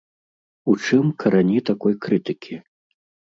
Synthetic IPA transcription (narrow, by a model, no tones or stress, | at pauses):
ut͡ʂɨmkʰɐɾanʲit̪akɔjkɾɨt̪ɨkʲʰi